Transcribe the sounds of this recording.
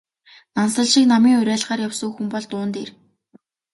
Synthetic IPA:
nansə̆ɮʃiːknamiːŋʊɾʲæːɮʁaːrjawsɵ̆ːxumpɔɮt̪ʊːnt̪eːr

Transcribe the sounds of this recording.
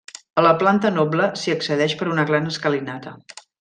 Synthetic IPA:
ələplant̪ənɔbləsiəksəðɛʃpəɾunəɣɾanəskəlinat̪ə

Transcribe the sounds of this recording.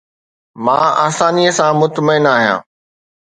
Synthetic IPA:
mãːaːsaːniəsãmʊt̪məɪnaːɦijã̰ː

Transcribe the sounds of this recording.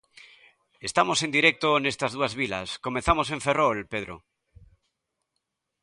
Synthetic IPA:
est̪amosend̪iɾek̚t̪onest̪ɐzðuazβilɐ̰skomẽθamos̬ẽɱferolpeðɾo̰

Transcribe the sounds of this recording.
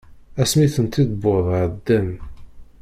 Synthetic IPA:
æsmiθənt̪id̪boðˤʕəd̪ːæm

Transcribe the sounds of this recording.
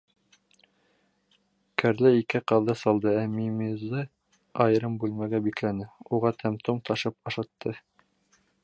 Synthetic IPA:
kʰæɾlɘikɘqɑðɤsɑlˠd̪ɤæmimizɤ | ɑjɤɾɤmbʉlmæɡæbiklænɘuʁɑt̪ʰæmt̪umt̪ʰɑʃɤpɑʃɑt̪ʰːɤ

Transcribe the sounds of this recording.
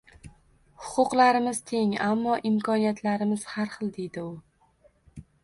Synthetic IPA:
hʊ̥qʰʊqlaɾɪmɪz̥t̪ʰe̞ŋamːɒʔɪmkʰɒnijat̪ʰlaɾɪmɪz̥haɾχɨlˠd̪e̞jd̪ɪʊ

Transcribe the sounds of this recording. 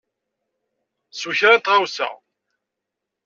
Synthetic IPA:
suçɾat̪ʁawsæ̰

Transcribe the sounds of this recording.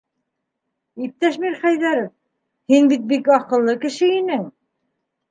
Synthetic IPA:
ip̚t̪æʃmiɾχæjðæɾof | hinbit̪̚bikɑqɤ̆lˠːɤkɘ̆ʃɘinɘŋ

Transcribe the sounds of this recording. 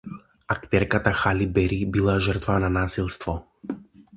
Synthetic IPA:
akt̪ɛɾkat̪axalibɛɾibilˠaʒərt̪vananasilˠst̪vɔ

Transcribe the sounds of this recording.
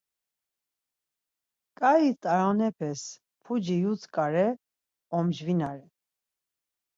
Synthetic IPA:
kʼait̪ʼaɾɔnɛpʰɛs | pʰud͡ʒijut͡sʰkʼaɾɛ | ɔmd͡ʒvinaɾɛ

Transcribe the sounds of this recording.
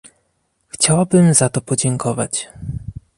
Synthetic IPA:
xt͡ɕawabɘmzat̪ɔpɔd͡ʑɛŋkɔvat͡ɕ

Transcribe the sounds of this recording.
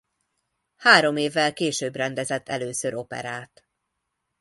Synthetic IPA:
haːɾo̞meːvːɛlkeːʃøːbrɛnd̪ɛzɛt̪ʰːɛløːsøɾo̞pɛ̰ɾaːt̪

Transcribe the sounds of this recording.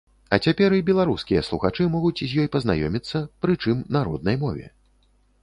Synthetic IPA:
ɐt͡sʲapʲɛɾibʲɛlˠaɾuskʲijɐslˠuxat͡ʂɨmɔɣut͡sʲzʲjɔjpɐzna̰jɔmʲit̪sːɐpɾɨt͡ʂɨmnaɾɔ̰d̪nɐjmɔvʲɛ̰

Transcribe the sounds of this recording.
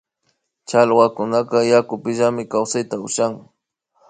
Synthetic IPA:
t͡ʃalwakʊnaqɑjakʊpɪʒamɪkawsajt̪aʊʃaŋ

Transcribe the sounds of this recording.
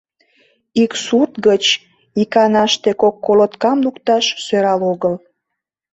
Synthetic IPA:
iksurt̪ɡət͡ɕ | ikɑnɑʃt̪ekokːolot̪kɑmlukt̪ɑʃsøɾɑloɣəl

